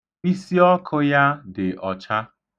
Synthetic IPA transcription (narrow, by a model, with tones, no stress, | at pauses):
k͡pi˦si˦ɔ˦kʰʊ˦ja˦dɪ˨ʔɔ˨t͡ʃa˦